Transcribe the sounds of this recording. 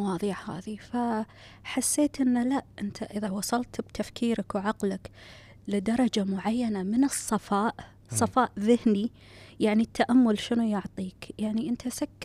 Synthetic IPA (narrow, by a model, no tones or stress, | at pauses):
wɑːðˤiːħha̰ːðifa | ħasːeːt̪ʔɪnːalaʔʔɪnt̪ʰaʔɪðawɑsˤɑlt̪bt̪ʰafkʰiːɾakwʕaqlɪk | lɪd̪ɑɾˤɑd͡ʒamʊʕajːanamɪnɨsˤːɑfɑːʔ | sˤɑfɑːʔðɪhni | jaʕnit̪ːaʔamːʊlʃɪnujʊʕt̪ˤiːkjaʕniʔɪnt̪ʰasakː